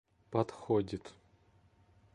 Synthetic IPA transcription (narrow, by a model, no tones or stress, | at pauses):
pɐt̪xodʲɪt̪